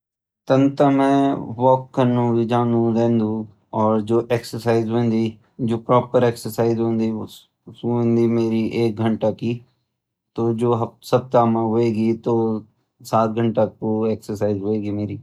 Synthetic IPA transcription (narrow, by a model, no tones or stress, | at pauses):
t̪ənt̪amɛ̃ːʋɔːkːənːũːʋid͡ʒãːnd̪ũɾẽːnd̪ũː | ɔːɾd͡ʒoːʔeːksəɾsaːizɦõẽnd̪iː | d͡ʒoːpɾɔːpəɾeːksəɾsaːizɦõːnd̪i | õnd̪iːmeːɾiʔeːk̚ɡʱəɳʈakiː | t̪od͡ʒoːɦsəb̚t̪aːmãɦoːeːɡit̪oː | saːt̪̚ɡʱəɳʈakoeːksəɾsaːizɦoːeːɡimeːɾiː